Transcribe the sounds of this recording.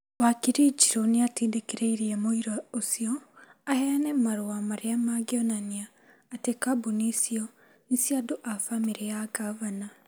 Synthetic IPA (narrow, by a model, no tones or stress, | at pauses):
wakiɾid͡ʒiɾoneatiːndekeɾeiɾiɛmoiɾaosiɔahɛanɛmaɾoamaɾeamaɡeɔnaniaː | tekabunisiɔ | nisiadoʔafamiɾejaɡaβana